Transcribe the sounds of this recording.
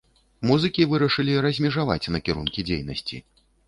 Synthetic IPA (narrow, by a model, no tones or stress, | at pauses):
muzɨkʲivɨɾɐʂɨlʲiɾɐzʲmʲɛʐava̰t͡sʲnɐkʲiɾunkʲid͡zʲejnɐsʲt͡sʲḭ